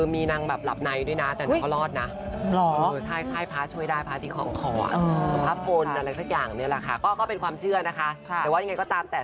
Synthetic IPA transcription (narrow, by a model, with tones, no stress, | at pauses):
ɯː˧miː˧na˧ŋbɛː˨˩p̚la̰˨˩p̚na˧jdu˥˩jna˦˥t̪ɛː˨˩na˦˥˦ka˥˩lɔː˥˩t̪̚na˦˥lɔː˨˦ɤː˧t͡ɕʰa˥˩jt͡ɕʰa˥˩jpʰaː˦˥t͡ɕʰu˥˩jdaː˥˩jpʰaː˦˥t̪ʰiː˧kʰɔ̰ː˩˦ŋkʰɔː˧˩ʔa̰˨˩ʔɤː˧so˧˦pʰaː˦˥pʰo˧nʔa˧ɾa˧jsa˧˩k̚jaː˨˩ŋni˥˩ɐla̰˨˩kʰa˦˥˩kɔː˥˩kɔː˥˩pe˧nkwaː˧mt͡ɕʰɯ˥˩ɐna˦˥kʰa˦˥˨wa˥˩a˧ŋ˧jkɔː˥˩t̪aː˧mt̪ɛː˨˩